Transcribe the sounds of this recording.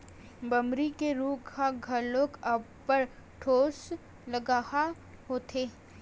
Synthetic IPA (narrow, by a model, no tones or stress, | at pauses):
bɐmɾikeɾuːɡʱaɡʱɐloːkɐb | pəɾʈʰoːs | ləɡaːha | ɦoːt̪ʰeː